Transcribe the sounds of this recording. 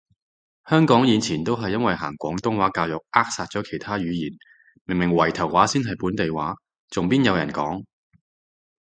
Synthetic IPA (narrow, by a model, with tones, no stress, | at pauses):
hœː˥ŋkɔː˨˥ŋjiː˨˧nt͡sʰiː˨˩nt̪o˥wɦɐ˨jːɐ˥nwɐ˨jɦa̰ː˨˩ŋkʷɔː˨˥ŋt̪ʊ˥ŋwaː˨˥kaː˧wjʊ˨k̚aː˥k̚saː˧t̚t͡ʃɔː˨˥kʰe˨˩jt̪ʰaː˥ɥyː˨˧jiː˨˩n | mɪ˨˩ŋmɪ˨˩ŋwɐ˨˩jt̪ʰɐ˨˩wwaː˨˥siː˥nɦɐ˨jpuː˨˥nt̪e˨jwaː˨˥ | t͡sʊ˨˩ŋpiː˥njɐ˨˧wjɐ̰˨˩nkɔ̰ː˨˥ŋ